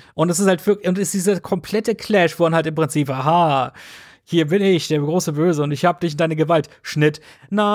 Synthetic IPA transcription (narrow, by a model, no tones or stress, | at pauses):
ʔʊntdɛs̬ɪsthaltv̥ɪɐkʊntɪsd̥iːzɐkʰɔmpʰl̥ɛtəkʰlɛʃv̥oːmanhaltɪmpʁ̥ɪnt͡siːpʔaːɦa | hiːɐbɪnɪçd̥eːɐɪɡʁoːsəbøːzəʊntɪçhaːbədɪç̬ɪnd̥aɪnəɡəvaltʃnɪtna